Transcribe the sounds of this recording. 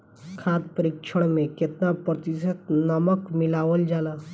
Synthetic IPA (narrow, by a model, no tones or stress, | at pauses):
kʰaːt̪̚pəɾikt͡ʃʰəɽ̃mẽkɪt̪napɾət̪ɪsət̪nəməkmɪlaːʋəld͡ʒaːlaː